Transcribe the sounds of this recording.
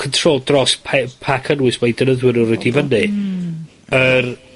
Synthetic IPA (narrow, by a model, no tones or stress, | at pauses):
kʰəntʰroːlˠdrɔspʰɛpʰakʰənwɪsmajdənəðwɪnʊrɛdivənɨ | ər